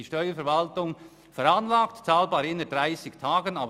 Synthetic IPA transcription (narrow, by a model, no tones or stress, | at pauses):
iʃtœʏəfɛɾvaltʊŋ | fɛɾanlaːktt͡saːlbaːɾɪnəd̥ʁaɪsɪktʰaːɡənaːb